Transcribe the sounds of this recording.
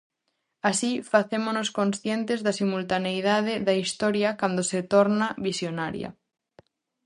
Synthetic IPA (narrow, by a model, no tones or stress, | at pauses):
asifaθemonoskonsθjent̪ezðasimult̪anejð̞að̞eðaist̪ɔɾjakand̪oset̪oɾnaβisjonaɾj̰a̰